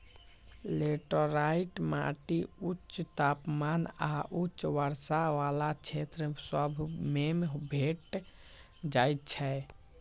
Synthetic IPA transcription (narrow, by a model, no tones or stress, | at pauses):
leʈəɾaiʈma̰ʈiutt͡ʃːt̪apmanaʔutːt͡ʃʋəɾsaʋalat͡ʃʰet̪ɾsəbʱmembʱeʈ | d͡ʒajt̪̚t͡ʃʰɛ